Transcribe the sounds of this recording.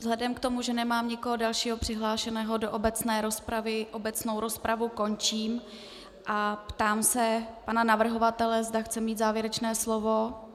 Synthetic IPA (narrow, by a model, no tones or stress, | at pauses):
vzɦlɛdɛmkt̪o̞muʒɛnɛmaːmɲɪkoɦodalʃiːɦopr̝̥ɪɦlaːʃɛnɛːɦo̞doʔobɛt͡snɛːɾo̞spɾavɪʔobɛt͡sno̞wɾo̞spɾavuko̞nt͡ʃiːm | ʔapt̪aːmsɛpananavr̩ɦo̞vat̪ɛlɛzdaxt͡sɛmiːt̪zaːvjɛɾɛt͡ʃnɛːslovo